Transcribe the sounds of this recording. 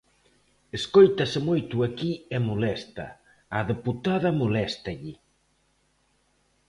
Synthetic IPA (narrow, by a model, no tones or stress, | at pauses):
eskojt̪ɐsɪmojt̪uakiɛmolɛst̪ɐ̰ː | ðeput̪aðɐmolɛst̪ɐʎɪ